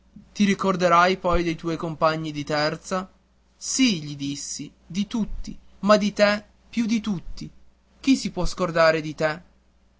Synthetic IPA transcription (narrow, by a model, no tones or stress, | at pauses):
t̪iɾikord̪eɾajpɔjd̪ejt̪ɔjkompaɲːid̪it̪ɛrt̪sa | siʎid̪isːi | d̪it̪ut̪ːimad̪it̪ɛ | pːjud̪it̪ut̪ːi | k̟isipwɔskord̪aːɾed̪it̪ɛ